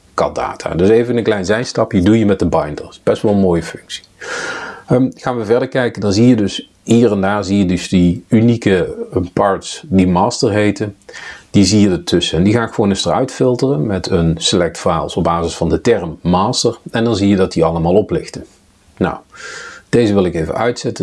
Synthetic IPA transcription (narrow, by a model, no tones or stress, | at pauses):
kɑ̰da̰ːtʰa̰ːdɵsejvənənklɛjnzɛjstɑpjədujəmɛt̚dəbɑjndə̰ɹsb̥ɛstʋɑlˠənmoːjəfɵŋksi̥ | əχaːnʋəvɛɹdəɹkɛjkəndɑnzijədɵs | ɦiːɹɛndaːɹzijədɵsdiynikəpɑɹtsdimaːstəɹɦejtənd̥izijədətʰɵsəɛndiɣaːnɣəʋownəstərœ̰ɥtfɪlˠtərənmɛtʰənsəlɛk̚tfaːlˠsɔb̚aːzɪsfɑndətɛɹmːaːstəɹɛndɑnzijədɑt̚diɑlˠəmaːlˠɔplɪxtə | na̰wd̥ejzəʋɪlˠɪkejvə̰nʔœɥtsɛtə